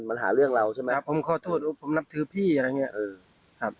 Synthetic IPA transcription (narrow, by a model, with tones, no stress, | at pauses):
nma˧nɦa̰ː˩˦ɾɯ˥˩əŋɾa˧wt͡ɕʰa˥˩˨ma˦˧pʰːo˩˦mkʰɔː˧˩t̪ʰoː˥˩t̪̚ːpʰo˩˦mna˦˥p̚t̪ʰɯː˨˦pʰiː˥˩ʔa˧ɾa˧jŋi˦˥ɐʔɤː˧˩ | kʰa˦˥p̚